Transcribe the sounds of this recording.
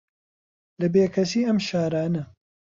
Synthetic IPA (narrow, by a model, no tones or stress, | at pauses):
lɐbeːkʰɐsiːɐmʃaːɾaːnɐ